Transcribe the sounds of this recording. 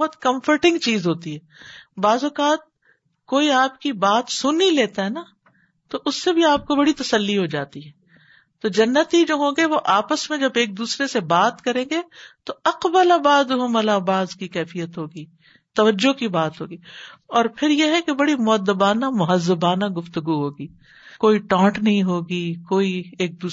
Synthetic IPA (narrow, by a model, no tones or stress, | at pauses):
bɐɦɔt̪kɐ̃mfəɾʈɪ̃ŋɡt͡ʃiːzɦoːt̪iɦɛːbaːzʊkaːt̪̚ | koːiaːpkibaːt̪sʊnːileːt̪aɦɛna | t̪oʔʊsːebʱiaːp̚kobɐɽit̪ɐsəlːiɦod͡ʒaːt̪iɦɛː | t̪oːd͡ʒɐnːət̪id͡ʒoːɦõːɡeʋoʔaːpəsmẽd͡ʒɐbeːk̚d̪uːsɾesebaːt̪kɐɾẽːɡet̪oɐqbəlabaːd̪ɦʊmɐlaːbaːzkikɛːfijət̪ɦoːɡiː | t̪ɐʋəd͡ʒːokibaːt̪ɦo̰ːɡiːɔːɾpʰɪɾjeɦɛkebɐɽimʊəd̪ːəbaːnamʊɦəzːəbaːnaɡʊft̪əɡuɦoːɡiː | koːiʈɔ̃ːʈnɐɦĩɦoːɡikoːieːk̚d̪uː